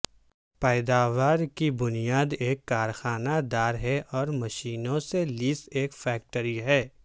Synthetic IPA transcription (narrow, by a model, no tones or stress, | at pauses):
pɛːd̪aːʋaːɾkibʊnijaːd̪eːkːaːɾxaːnad̪aːɾɦɛʔɔːɾmɐʃiːnõseliːseːkfɛːk̚ʈəɾiɦɛː